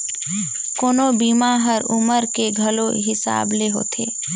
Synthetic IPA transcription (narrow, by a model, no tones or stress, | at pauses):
koːnobiːmaɦəɾʊməɾkeɡʱəloɦɪsa̰ːbleɦo̰ːt̪ʰḛː